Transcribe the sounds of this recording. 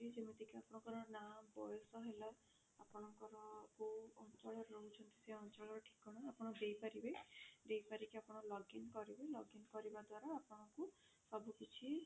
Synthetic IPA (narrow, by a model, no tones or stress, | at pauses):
id͡ʒemit̪ikeapɔɽ̃ɔŋkɔɾɔnabɔjɔsɔɦela | apɔɽ̃ɔŋkɔɾɔkouɔnt͡ʃɔɭɔɾɔɾoɦut͡ʃʰɔnt̪i̥seɔnt͡ʃɔɭɔɾɔʈʰi̥kɔɽ̃aːpɔɽ̃ɔd̪ejpaɾibed̪ejpaɾikiapɔɽ̃ɔlɔɡinkɔɾibelɔɡinkɔɾibad̪waɾaːpɔɽ̃ɔŋku | sɔbukit͡ʃʰi